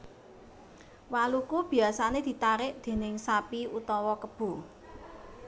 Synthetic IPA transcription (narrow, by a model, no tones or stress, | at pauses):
walukub̥i̤asaned̪̥i̤t̪aɾɪʔd̪̥e̤nɪŋsapiut̪ɔwɔkəb̥ṳ